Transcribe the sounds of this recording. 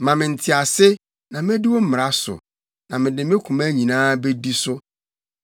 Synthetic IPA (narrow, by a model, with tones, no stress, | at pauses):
mã˨mɪ̃˨n̩˨tʰɪ˨a˨sɪ˦ | nã˨mɪ̃˦dɪ˦wɔ˦m̩˦mɪ˨a˦sʊ̰˨ | nã˨mɪ̃˨dɪ˨mɪ̃˦kʷʰũ˨mæ˦ɲĩ˨nãː˦be˦di˦sʊ˦